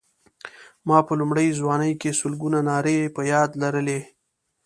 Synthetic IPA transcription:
mɑpəlumɽəjzwɑːnəjkesʊlɡunanɑːɾepəjɑːd̪laɾəle

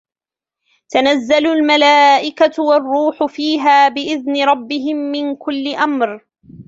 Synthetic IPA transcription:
t̪anazːalʊlmalaːʔɪkawɑrˤːuːħʊfiːɦaːbɪʔɪðnɪɾˤɑbːɪɦɪmːɪnkʊlːɪʔamɾ

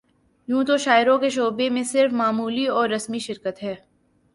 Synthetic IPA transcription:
jũːt̪oʃaːɪɾõkeʃ̬oːbemẽsɪɾfmaːmuːliɔːɾːɐsmiʃɪɾkət̪ɦɛː

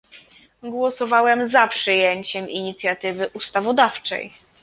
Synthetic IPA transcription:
ɡwɔsɔvawɛmzapʂɘjeɲt͡ɕɛmiɲit̪sʲjat̪ɘvɘʔust̪avɔd̪aft͡ʂɛ̰j

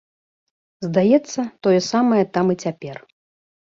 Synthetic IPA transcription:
zd̪ajɛt̪sːɐt̪ɔjɛsamɐjɐt̪amit͡sʲapʲɛr

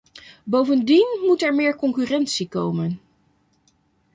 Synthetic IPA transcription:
bowvəndinmutɛɹmɪːɹkɔŋkyrɛntsiko̰wmən

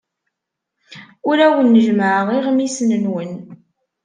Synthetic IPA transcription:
ʊɾæwənːəʒməʕəʁiʁmisnənwən

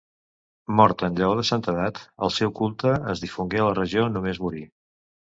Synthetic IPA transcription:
mɔɾt̪ənʎəɔðəsant̪əðat̪əlˠsɛwkulˠt̪əəzðifuŋɡeələrəʒionumezmuɾi

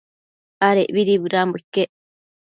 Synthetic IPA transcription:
aɾeʔβiɾiβɨɾambuikːeʔ

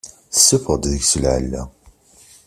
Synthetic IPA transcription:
θəsːəfʁd̪ðəɡsəlʕə̰lːæ̰

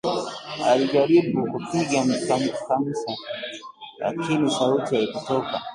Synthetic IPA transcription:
aliʄaɾiɓukupiɡamkamkam̩sa | la̰kinisautiaikutɔka̰

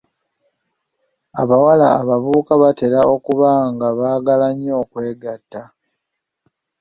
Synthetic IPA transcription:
aβawala̰ːβaβuːkaβate̞ɾao̞kuβaŋɡaβaːɡalaɲːo̞ːkwe̞ːɡatːa

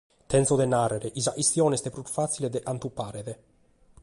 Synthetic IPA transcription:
t̪ɛnsod̪enarːeɾeʔizaʔist̪jɔːnest̪epɾuɾfat̪siled̪eʔant̪upːaːɾeðe

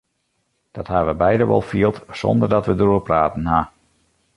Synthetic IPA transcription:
d̥ɑthaʋəbɛjdəʋɔ̰lˠfiəlˠtsɔ̰ndərdɑtʋədəruərpraːtən̩ɦa

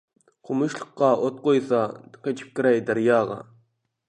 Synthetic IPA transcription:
qʰomuʃlˠə̥qːɑʔot̪̚qojsɑqʰet͡ʃʰi̥p̚kʲiɾɛjd̪æɾjɑːʁɑ̰

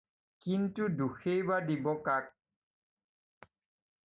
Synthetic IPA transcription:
kintuduxejbadibɔkak̚

